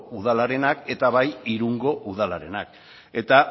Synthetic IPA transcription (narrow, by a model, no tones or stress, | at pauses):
uð̞alaɾe̞nake̞t̪aβajiɾuŋɡo̞ʔuðalaɾe̞nak | e̞t̪a